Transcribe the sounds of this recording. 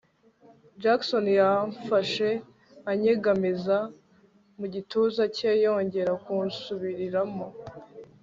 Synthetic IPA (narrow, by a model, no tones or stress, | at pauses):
d͡ʒaksonjaɱfaʃe̞ | aɲe̞ɡamiza | muɟituzacejo̞ːɲɟe̞ɾakuːnsuβiɾiɾamo̞